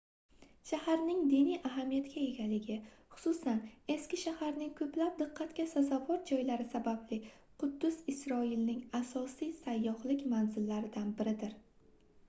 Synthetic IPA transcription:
ʃahaɾnɪŋd̪inijʔaɦamijat̪kʲae̞ɡʲalɪɡʲɪχʊ̥sʊsane̞skʲɪʃahaɾnɪŋkʰɵplap̚d̪ɨqʰːɑt̪kʲasazavɒɾd͡ʒɒjlaɾɪsabablɪ | qʰʊd̪ːʊzɪsɾɒɪlnɪŋasɒsijsajːɒhlɪkʲmanzɪlːaɾɪd̪anbɪɾɪd̪ɪɾ

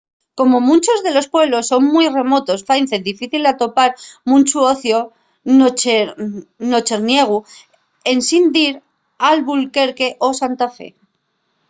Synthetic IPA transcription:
ko̞mo̞mũnt͡ʃo̞zðe̞lo̞spwe̞βlo̞sːo̞ŋmwire̞mo̞t̪o̞sfajnθeðifiθilat̪o̞paɾmũnt͡ʃuoθjo | no̞t͡ʃe̞ɾnje̞ɣ̞u | e̞nsind̪iɾ | alβulke̞ɾke̞ʔo̞sant̪afe̞̰

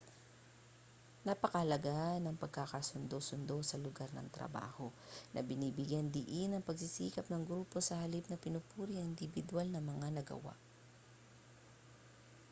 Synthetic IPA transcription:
nɐpɐkɐhɐlɐɡaʔnɐŋpɐɡ̚kakasʊnd̪osʊnd̪o̞sɐlʊɡaɾnɐ̰ŋt̪ɾɐ̰ba̰ːho̞nɐ̰bɪniːbɪɡjand̪ɪʔinɐŋpɐɡ̚sɪsiːkɐpnɐŋɡɾuːpo̞sɐhɐlip̚nɐpɪnʊpuːɾiɐŋʔɪnd̪ɪbɪd̪walnɐŋmɐŋanɐɡɐ̰wa̰ʔ

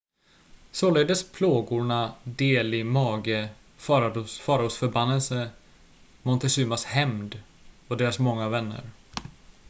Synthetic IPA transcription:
soːleːd̪əspʰloːɡʊɳad̪eːlɪmɑːɡə | fɑɾfɑːɾusfœɾbanːɛlsə | mɔnt̪ɛʂʉ̟ːmashɛmd̪ | ɔd̪eːɾasmɔŋːavɛnːə̰ɾ

